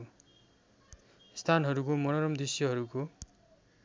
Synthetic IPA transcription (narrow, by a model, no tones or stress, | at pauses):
st̪ʰanɦʌɾukomʌnʌɾʌmd̪isjʌɦʌɾuko